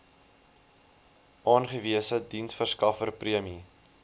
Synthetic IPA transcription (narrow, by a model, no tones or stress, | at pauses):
ʔɑːnχəviəsədinsfərskɐfərpriəmi